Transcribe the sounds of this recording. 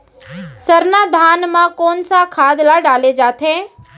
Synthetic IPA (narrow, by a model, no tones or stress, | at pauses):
sɐɾnad̪ʱaːnmãkoːnsakʰaːd̪laɖaːled͡ʒaːt̪ɦɛ̃ː